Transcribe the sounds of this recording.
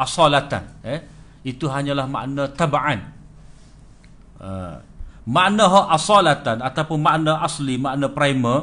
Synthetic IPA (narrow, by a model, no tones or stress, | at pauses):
ʔasalat̪a̰nə | it̪uɦaɲãlahma̰ʔnãt̪abaʕan | ə̰ | maʔnãɦɔʔasalat̪anat̪apʊnmaʔnãʔaslimaʔnãpɾajmə